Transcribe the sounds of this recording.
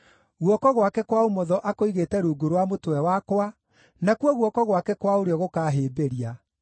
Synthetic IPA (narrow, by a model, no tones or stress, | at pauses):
ɣwɔkɔɣwakɛkwaomɔðɔʔakoiɣeːtɛɾuːɡoɾowamotwɛwakwa | nakwɔɣwɔkɔɣwakɛkwaoɾeɔɣokaːɦeːbeɾia